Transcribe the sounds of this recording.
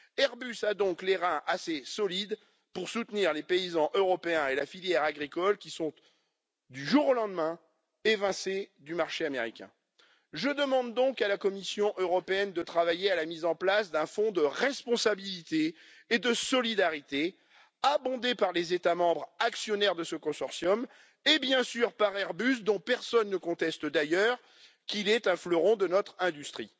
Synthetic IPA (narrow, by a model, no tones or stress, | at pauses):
ɛʁbysad̪ɔ̃kleʁɛ̃ʔasesɔlid̪ | puʁsut̪niʁlepeizɑ̃ʔøʁɔpeɛ̃elafiljɛʁaɡʁikɔlkʲisɔ̃t̪ | d̪yʒuʁolɑ̃d̪mɛ̃ | evɛ̃sed̪ymaʁʃeameʁikʲɛ̰̃ | ʒəd̪əmɑ̃d̪ːɔ̃kalakɔmisjɔ̃ʔøʁɔpeɛnd̪ət̪χavajealamizɑ̃plasd̪ɛ̃fɔ̃d̪əʁɛspɔ̃sabilit̪eː | d̪əsɔlid̪aʁit̪e | abɔ̃d̪epaʁlezet̪amɑ̃bʁaksjɔnɛʁd̪əsəkɔ̃sɔʁsjɔm | ebjɛ̃syʁpaʁɛʁbys̬d̪ɔ̃pɛʁsɔnːəkɔ̃t̪ɛst̪d̪ajœʁ | kʲilɛt̪ɛ̃flɔʁɔ̃d̪ənɔt̪χɛ̃d̪yst̪χi